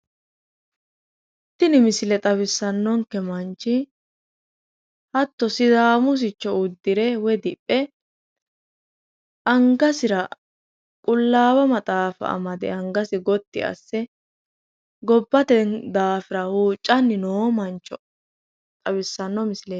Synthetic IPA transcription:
t̪ːɪnɪmɪsɪlɛt̪ʼɐβɪsːɐnːɔŋkːɛmɐnt͡ʃːɪ | hɐt̪ːɔsɪd̪aːmʊs̬ɪt͡ʃːɔʊd̪ːɪɾɛwɛd̪ɪpʼːɛ | ʔɐŋɡɐsɪɾɐ | kʼʊlːaːwɐmɐt̪ʼaːfɐ̰ʔɐ̰mɐd̪ɛ̰ɐŋɡɐsɪɡɔt̪ːɪɐ̰sːɛ | ɡɔbːɐt̪ɛnd̪aːfɪɾɐhuːt͡ʃʼːɐnːɪnoːmɐnt͡ʃːɔ | t̪ʼɐbɪsːɐnːɔmɪsɪle

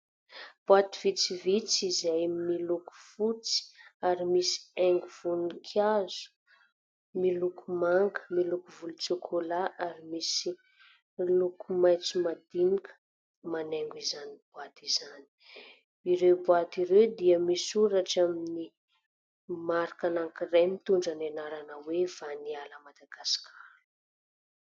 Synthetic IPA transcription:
b̥wat̪iv̥it͡sivit͡sizajmiluku̥fut͡si̥aɾimisi̥eŋɡuv̥unikʰazu̥ | milukʰumaŋkə̥milukuvulut͡sekʰolaʔaɾimisi | lukumajt͡sumad̪inikə̥ | maneŋɡuizanib̥uat̪izani̥ | iɾewbuat̪iɾewd̪iəmisuɾaʈ͡ʂamini | maɾakanaŋkiremit̪uɳɖ͡ʐanenaɾanəwev̥anialəmad̪aɡasi̥kʲa

